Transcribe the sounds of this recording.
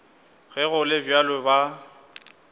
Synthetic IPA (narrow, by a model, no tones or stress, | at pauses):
ɣɛɣʊlɪbjalɛba